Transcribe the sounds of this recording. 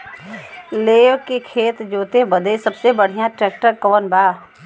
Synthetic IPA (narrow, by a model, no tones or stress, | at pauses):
leːʋkekʰeːt̪d͡ʒoːt̪ebəd̪esɐbsebəɽ̤ijãʈɾɛːk̚ʈəɾkɔːənbaː